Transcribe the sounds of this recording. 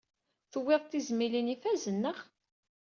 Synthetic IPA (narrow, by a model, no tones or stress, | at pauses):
θəwːɪʁˤt̪ːizmilinifæzənːəχ